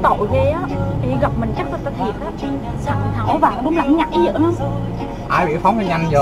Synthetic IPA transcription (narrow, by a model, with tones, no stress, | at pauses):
t̪o̰˧˨jze˨˦aː˨˦ɓḭ˧˩ɣə˨˩p̚mï˨˩ŋ̟t͡ɕa˦˥k̚kt̪aː˧t̪ʰi˨˩ət̚ʔaː˨˦ | sa˧˩˨ha˨˩˦wvaː˨˩˨ɗʊ˨˦ŋ͡mlaː˨˩ŋ˨˦ɲa˨˩k̚ʔi˨˦zə̰ː˧˨˥nɔ˨˦ | ʔaː˧jɓḭ˧˨fa˨˦wŋ͡mə˧˩ɲa˧ŋzə˨˩